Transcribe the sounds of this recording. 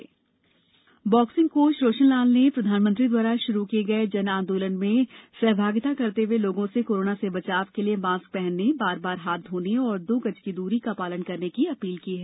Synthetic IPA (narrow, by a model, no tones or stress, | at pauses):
bɔːksɪ̃ŋɡkoːʃɾoːʃənlaːlnepɾɐd̪ʱaːnmə̃nt̪ɾid̪waːɾaʃʊɾukieɡɐed͡ʒɐnãːnd̪uːlənmẽsɛɦbʱaːɡt̪akɐɾt̪eweloːɡõsekoːɾoːnasebɐt͡ʃaːʋkeliemãːsk̚pɛɦɛnːebaːɾbaːɾɦaːt̪ɦoːneɔːɾd̪ʊɡɐd͡ʒkid̪uːɾikapaːlənkɐɾnekiɐpiːlkiːɦɛː